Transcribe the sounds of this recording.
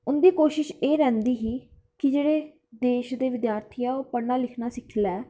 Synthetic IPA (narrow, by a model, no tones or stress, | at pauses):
ʊnd̪iːkoːʃɪʃeːɾɛ̃ːnd̪iːɦiː | kɪd͡ʒeːɽeː | d̪eːʃd̪eːʋɪd̪jaːɾt̪ʰiːɛːoːpəɽnaːlɪkʰnaːsɪkʰlɛː